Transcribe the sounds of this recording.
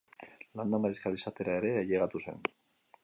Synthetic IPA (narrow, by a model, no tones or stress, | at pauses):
land̪amaɾiskalisat̪e̞ɾae̞ɾe̞ːʎeɣat̪use̞̰n